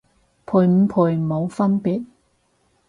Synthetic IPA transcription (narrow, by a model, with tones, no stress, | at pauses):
pʰuː˨˧jm̩˨˧˥pʰuː˨jmo˨˧wfɐ˥npiː˨˥t̚